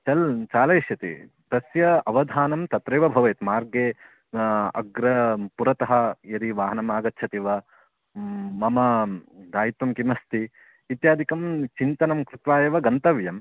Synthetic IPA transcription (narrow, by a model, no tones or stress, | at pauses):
t͡ʃɐlt͡ʃaːlɐjʃjɐt̪ḭ | t̪ɐsjɐɐʋɐd̪ʱaːnɐmt̪ɐt̪ɾɐjʋɐbʱɐʋɐjt̪maːɾɡeː | ɐ̰ɡɾɐpuɾɐt̪ɐɦɐ̆jɐd̪iʋaːɦɐnɐmaːɡɐt̪ːt͡ʃʰɐt̪iʋɐ | mɐmɐd̪aːjit̪ʋɐmkimɐst̪i | it̪jaːd̪ʱikɐmt͡ʃint̪ɐnɐmkɾɪt̪ʋaːjɐʋɐɡɐnt̪ɐʋjɐm